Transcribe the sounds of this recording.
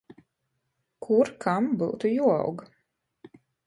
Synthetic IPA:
kʰuɾkʰambuwt̪ujuɔ̰wɡ

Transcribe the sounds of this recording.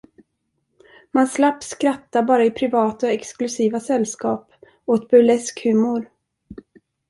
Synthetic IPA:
manslapːskɾat̪ːabɑːɾaɪpʰɾɪvɑːt̪aɔɛksklɵsiːvasɛlskɑːp | ot̪̚bœlɛskhʉ̟ːmʊɾ

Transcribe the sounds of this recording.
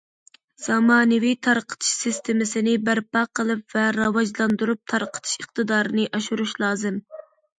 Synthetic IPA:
z̥ɑmɑːnɨvijt̪ʰɑɾqʰə̥t̪ʰɨ̥ʃsɪst̪ʰɪmɪsɪnɪbæɾpɑqʰəlˠɨpvɛɾɑwɑʒlˠɑnd̪uɾup̚t̪ʰɑɾqʰə̥t̪ʰɨ̥ʃəχt̪ɨd̪ɑːɾɨnɨʔɑʃuɾuʃlˠɑːzɨm

